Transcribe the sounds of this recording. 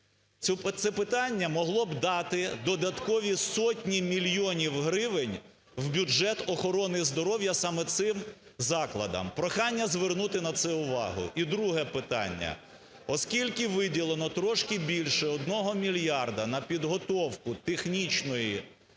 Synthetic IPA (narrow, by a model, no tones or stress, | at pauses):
t̪sɛpɪt̪ɑnʲːɐmɔɦlˠɔbd̪ɑt̪ɪd̪ɔd̪ɐt̪kɔʋʲisɔtʲnʲimʲilʲjɔnʲiwɦɾɪʋɪnʲ | wbʲʊd͡ʒɛt̪ɔxɔɾɔnɪzd̪ɔɾɔwjɐsɑmɛt̪sɪm | zɑklˠɐd̪ɐ̰mpɾɔxɑnʲːɐzʋernut̪ɪnɐt̪sɛʊʋɑ̰ɦʊ̰ʔid̪ɾuɦɛpɪt̪ɑ̰nʲːɐ̰ | ɔskʲilʲkɪʋɪdʲilˠenɔt̪ɾɔʃkɪbʲilʲʃɛɔd̪nɔɦɔmʲilʲjɑrd̪ɐnɐpʲid̪ɦɔt̪ɔwkʊt̪exnʲit͡ʃnɔji